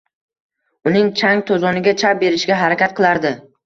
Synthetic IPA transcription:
ʊnɪŋt͡ʃʰaŋt̪ʰozɒnɪɡʲat͡ʃʰap̚be̞ɾɪʃɡʲaɦaɾakʲat̪̚qʰɨlˠaɾd̪ɪ

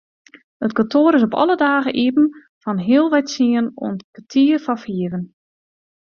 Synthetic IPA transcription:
ətkontʰoːɾɪsopɔ̰lˠədaːɣəʔipn̩ | fɔnɦiəlˠʋɛjtsiəno̰əntkatʰiərfɔfiəvən

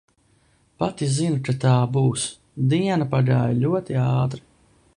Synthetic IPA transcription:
pat̪izinukat̪aːbuːs | d̪iɛnapaɡaːjalʲuɔt̪iaɑːt̪ɾi̥

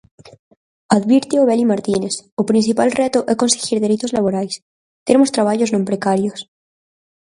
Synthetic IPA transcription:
aðβiɾt̪ioβelimaɾt̪inesopɾinθipalret̪oʔekonseɣiɾðe̞ɾit̪ozlaβoɾajs | t̪eemost̪ɾaβ̞aʎoznõmpɾekaɾjos

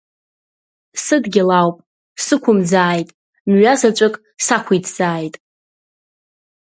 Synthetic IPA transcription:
sɨdɡʲɪlawpʼ | sɨkʷʰʊmd͡zaːjtʼ | mɥazat͡ʃʷʼɨkʼ | sakʷʰijtʰz̥aːjtʼ

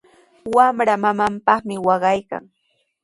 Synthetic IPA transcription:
wamɾamamampɑχmɪwɑɢɑjka̰ŋ

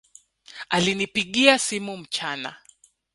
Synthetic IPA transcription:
alinipiɠiasimum̩t͡ʃana̰

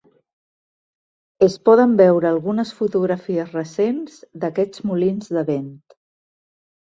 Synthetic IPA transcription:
əspɔð̞əmbɛwɾəːlˠɣunəsfut̪uɣɾəfiəzrəsenz̥d̪əkɛd͡zmulinzðəβent̪

